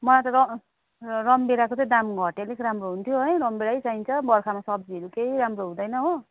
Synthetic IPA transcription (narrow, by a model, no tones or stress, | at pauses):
mʌlat̪ʌɾʌ | rʌmbeɾakot͡sʌj̃d̪amɡʱʌʈelekɾamroɦunt̪ʰjoɦʌjɾʌmbeɽajt͡saint͡sʰʌbʌrkʰamasʌb̚d͡ziʌɾukeɦiɾamroɦũd̪ʌjnʌɦo